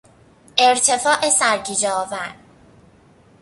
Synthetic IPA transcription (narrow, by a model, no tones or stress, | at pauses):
ʔe̞ɾt̪ʰe̞fɒːʔesæɾkʰid͡ʒɛɒːvæɾ